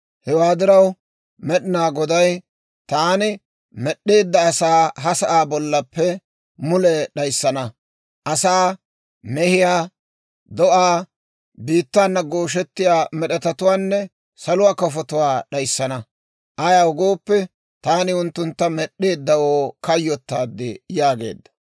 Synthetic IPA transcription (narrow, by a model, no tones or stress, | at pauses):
hɛwaːd̪ɪɾɐw | mɛɗɪnaːɡɔd̪ɐj | t̪aːnɪ | mɛɗːeːd̪ːɐːsaːɦɐsɐʔaːbɔlːɐpːɛ | mʊlɛɗɐjsːɐnɐ | ʔɐsaː | mɛhɪjaː | d̪ɔʔaː | biːt̪ːaːnːɐɡoːʃ̬ɛt̪ːɪjaːmɛɗɛt̪ɐt̪ʊwaːnːɛ | sɐlʊwaːkɔfɔt̪ʊwaːɗɐjsːɐnɐ | ʔɐjaːʊɡo̞ːpːɛ | t̪aːnɪʊnt̪ːʊnt̪ːɐmɛɗːe̞ːd̪ːɐwoːkɐjːɔt̪ːaːd̪ːɪjaːɡḛːd̪ːɐ̥